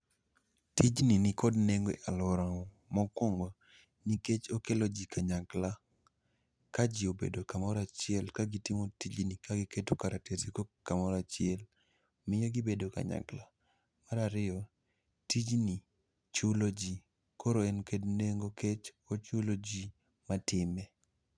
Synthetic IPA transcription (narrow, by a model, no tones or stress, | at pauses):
tid͡ʒninikɔdneŋɡeʔalɔɾaŋɔ | mɔkɔŋɡɔ | niket͡ʃokelod͡ʒikʰaɲakla | kad͡ʒiobḛdokamɔɾat͡ʃɪɛlkaɡitɪmotid͡ʒnikaɡɪketokaɾatesikokamɔɾat͡ʃɪɛl | mɪɲɔɡɪbedoka̰ɲa̰kla | maɾaɾɪɔ | tid͡ʒni | t͡ʃʊlod͡ʒi | koɾoɛnkedneŋɡoket͡ʃ | ɔt͡ʃʊlod͡ʒi | matɪmɛ